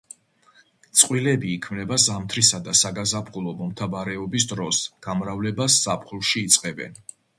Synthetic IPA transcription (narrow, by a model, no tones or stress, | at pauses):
t̪sʼqʼwilɛbiːkʰmnɛbazamt̪ʰɾisad̪asaɡazapʰχulˠɔmɔmt̪ʰavaɾɛɔbis̬d̪ɾɔsɡ̥amɾavlɛbasz̥apʰχulˠʃiːt̪sʼqʼɛbɛ̰n